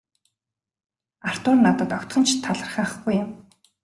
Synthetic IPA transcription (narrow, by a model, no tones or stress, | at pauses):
ar̥t̪ʊːrnːat̪ə̆t̪ɔkt̪χɞ̆nt͡ɕt̪ʰːaɮə̆rχaːχɡujɪm